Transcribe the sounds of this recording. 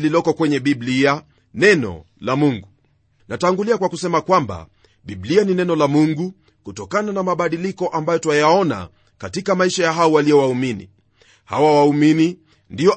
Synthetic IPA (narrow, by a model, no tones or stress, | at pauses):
lilɔkɔkwɛɲɛɓiblia | nɛnɔ̰ | lamuŋɡu | nʔataŋɡuliakwakusɛmakwamba̰ | ɓiɓlianinɛnɔlamuŋɡu | kutɔkananamaɓaɗilikɔʔambajɔtwajaɔna̰ | katikamaiʃajaɦaɔwalijɔwauminḭ | ha̰wawaumini | ndiɔ